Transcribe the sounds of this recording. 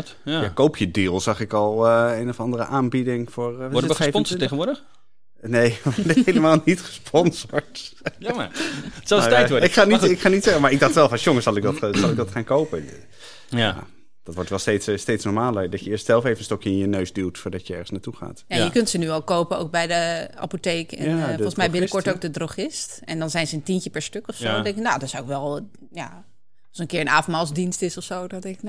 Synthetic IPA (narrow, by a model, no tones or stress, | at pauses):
jakowpʰjədiːlˠsɑχɪkɑlˠejnofɑndərəʔaːnbidɪŋfʊːɹɔpɔnseχənʋʊːɹdə | nejəʋɔthejləmaːlˠnitχə̥spʰɔnzoɹtj | sɔtɛjɔɪkχaːnitɪkχaːnitsɛχəmaːɹɪɡ̚dɑχtʋɛlˠfɔsjoŋəsɑlˠɪk̚dɔtzɑlˠɪkɡ̚dɔtχaːnkowpə | a̰ | d̥ɔtʋɔɹtʋɛlˠstejtsstejtsnɔɹmaːlədɔtjəɪːɹstsɛlˠfejvən̩stɔkjəɪnjənøɥsdylˠtfʊːɹdɑtjəɛ̰ɹənsnaːtuχa̰ːtjajəkøntsənyɔlˠkowpənowk̚bɛjdəʔa̰poteːkɛnfɔlˠsmɛjbɪnnəkɔɹtowk̚dədrowχɪst | ɛndɔnzɛjnzəəntincəpɛɹstøkɔfsodɛŋknadɔtsawɪkʋɛlˠ | ja | lˠsənkɪːɹənaːfɔnmaːlˠsdinstɪsɔfsowdɔtɪk